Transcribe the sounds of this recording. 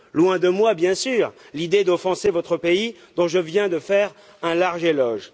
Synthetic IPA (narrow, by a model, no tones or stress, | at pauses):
lwɛ̃d̪əmwabjɛ̃syːʁ | lid̪ed̪ɔfɑ̃sevɔt̪χəpei | d̪ɔ̃ʒəvjɛ̃d̪əfɛʁ | ɛ̃laʁʒelɔʒ